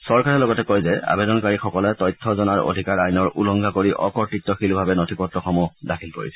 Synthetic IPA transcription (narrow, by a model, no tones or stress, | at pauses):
sɔɹkaɹɛlɔɡɔtɛkojzɛa̰bedɔnkaɹixɔkɔlɛtɔjtʰːɔzɔnaɹo̰dʱikaɹajnɔɹʔulɔŋɡʱakoɹiʔɔkɔɹtitːɔxilubʱabɛnotʰipɔtɹɔxɔmudakʰilpoɹḭsɛ